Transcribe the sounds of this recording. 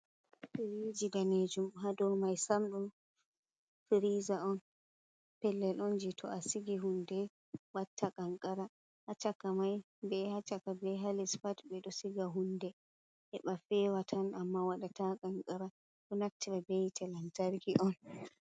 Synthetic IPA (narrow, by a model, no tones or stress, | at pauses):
fiɾid͡ʒidaned͡ʒumɦadɔwmajsamɗum | fiɾizaɔn | pɛlːɛlʔɔnd͡ʒitʰɔ̰asiɡiɦundɛ | watʰːakaŋkʼaɾa | ʔːt͡ʃakːamaj | bɛhat͡ʃakabɛɦalisfatbɛɗɔsiɡaɦundɛ | ʔɛɓafɛwatʰanamːawaɗatakaŋkʼaɾa | ɗɔnak̚tibabejtʰɛlantaɾɡiʔɔn